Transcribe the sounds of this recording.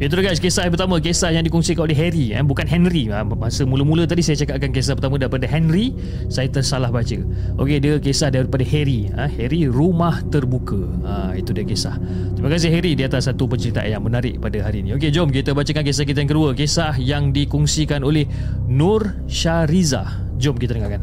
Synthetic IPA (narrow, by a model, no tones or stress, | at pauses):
biət̪uɾəɡaskesahpərt̪amə̃kesahjaŋdikɔŋsikanoleɦɛɾia̰bukanɦɛnriəmmasəmũləmũlət̪adisajət͡ʃakap̚kankes̬ahpərt̪amə̃daɾipadəɦɛnri | sajət̪ərsalahbat͡ʃə | ʔo̰kediəkesahdaɾipadaheɾi | əhɛɾirumaht̪ərbukəə | it̪udiəkesah | t̪imakas̬ɪhɦɛɾidiat̪asːat̪upəɲt͡ʃəɾit̪a̰ʔa̰njaŋmənaɾɪʔpadaɦaɾinĩoked͡ʒɔmk̬it̪əbat͡ʃəkank̬esahkit̪ajaŋkəduəkesahjaŋdikɔŋsikanolɛh | nɔr | ʃaɾiza̰ | d͡ʒɔmkit̪adəŋakan